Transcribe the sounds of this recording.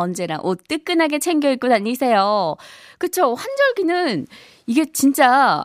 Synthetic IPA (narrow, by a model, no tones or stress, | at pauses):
ʌnd͡ʑe̞ɾa̰ŋʔot͈ɯk͈ɯnɦaɡe̞t͡ɕʰeŋɡjʌik͈odaɲisʰe̞jo | kɯt͡ɕʰoɸand͡ʑʌɭɡinɯn | iɡe̞t͡ɕint͡ɕ͈a